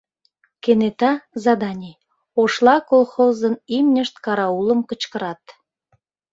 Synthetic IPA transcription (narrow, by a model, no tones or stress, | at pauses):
kenet̪ɑzɑd̪ɑnʲi | oʃlˠɑkolxozənimnʲəʃt̪kɑɾɑulə̆mkə̆t͡ɕkə̆ɾɑt̪